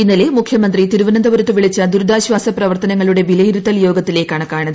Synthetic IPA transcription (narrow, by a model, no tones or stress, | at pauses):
inːɐle̞mukʰjɐmɐnd̪rit̪iɾuʋɐnɐnd̪ɐʋɐɾɐt̪ːɨʋiɭit͡ɕːɐd̪uɾd̪aːɕʋaːsɐprɐʋɐrt̪ɐnɐŋːɐɭuɽe̞ʋilɐjiɾut̪ːɐljo̞ːɡɐt̪ːile̞ːkːaːɳɨkaːɳɐðɨ